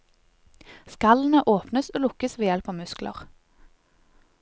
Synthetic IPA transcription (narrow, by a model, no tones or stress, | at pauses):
skɑln̩əʔoːpnəsoːlʊkəsʋeːjɛlpɑːʋmʉsklʔə̰ʁ